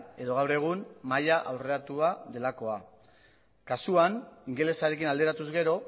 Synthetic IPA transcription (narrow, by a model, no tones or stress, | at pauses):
e̞ðo̞ɣ̞awɾe̞ɣ̞unmajaʔawre̞at̪uaðe̞lako̞a | kasuaniŋɡe̞le̞saɾe̞kinald̪e̞ɾat̪uzɣe̞ɾo̞